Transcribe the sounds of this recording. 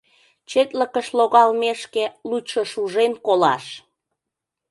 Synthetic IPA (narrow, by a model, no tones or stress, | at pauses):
t͡ɕet̪ləkəʃloɣɑlmeʃkeluʃoʃuʒemkolɑ̰ʃ